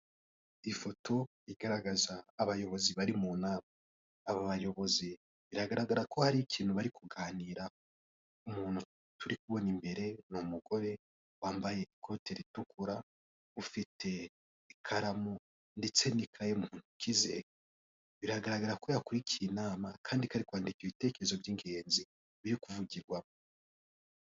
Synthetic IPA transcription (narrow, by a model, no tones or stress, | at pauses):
ifo̞tʰo̞ | iɡaɾaɡazaːβajo̞βo̞ziβaɾimunaβaː | βoβajo̞βo̞zi | βiɾaɡaɾaɡaɾako̞haɾikʰiːn̥huβaɾikuɡaːniɾa | umuːn̥u | tuɾikuβo̞nimbe̞ɾe̞numuɡo̞ɾe̞ | waːmbaje̞ʔikʰo̞te̞ɾitukʰuɾa | ufitʰe̞ | ikʰaɾamo | nde̞t͡se̞nikʰajeumuːn̥ukizḛ | βiɾaɡaɾaɡaɾako̞jakuɾikʰiːnaːmakʰaːndikaɾikwaːndikiβite̞ːke̞ɾezo̞bjiːŋɡe̞ːnzi | βiɾikuvuɟiɾɡwamo